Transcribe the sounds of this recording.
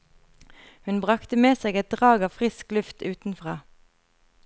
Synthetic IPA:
hʉnbʁɑkt̪əmeːseːɡɛt̪̚d̪ʁɑːɡɑːʋfʁɪsklʉft̪ʉːt̪n̩fʁɑː

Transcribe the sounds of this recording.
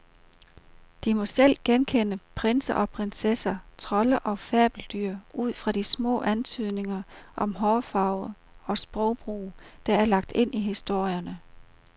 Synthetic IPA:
d̥imɒ̽sel̰ɡ̥enkʰenəpʰʁensɐʔɒ̽pʰʁensesɐt͡sʰʁɒ̽ləʔɒ̽fɛɐb̥l̩d̥yɐ̰ʔuð̞̰ˠfʁɑ̈d̥ismɔ̰̽ːʔænt͡sʰyð̞̰ˠne̝ŋɐʔɒ̽mɦɒːfɑ̈ʊ̰ðˠ | ɒ̽sb̥ʁɒʊb̥ʁṵːd̥ɑ̈æɐlɑ̈ɡ̥̚d̥e̝n̰ʔiɦisd̥o̝ɐ̰jɐnə

